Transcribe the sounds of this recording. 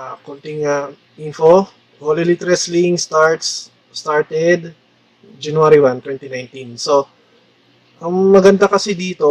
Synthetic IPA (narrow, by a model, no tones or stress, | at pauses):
kʊnt̪ɪŋɐ | ʔinfo | holilit̪ɛɾɛsliŋst̪aɹt̪sː | t̪aɹt̪ɛd̪ | d͡ʒɐnʊaɾiwant̪wɛnt̪inajnt̪inso̞ | ʔɐŋmɐɡɐnd̪akɐsɛd̪iːt̪o̞